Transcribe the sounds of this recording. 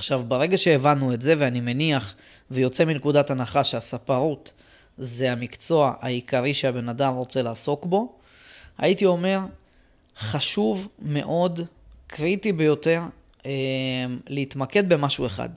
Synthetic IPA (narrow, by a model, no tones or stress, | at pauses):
aχʃavbaʁe̞ɡaʃe̞ːvanːuetze̞veanime̞niaχ | vejo̞t͡se̞minekud̪atanaχaʃeasapaʁut̪ | zeamikt͡so̞aʔa̰ikaʁiʃeabe̞nadamʁo̞t͡se̞laːso̞kbo̞ | a̰jit̪io̞me̞ʁ | χaʃuvme̞̰ʔo̞d | kʁitibe̞jo̞t̪e̞ʁ | emleit̪make̞d̪̚be̞maʃue̞χa̰d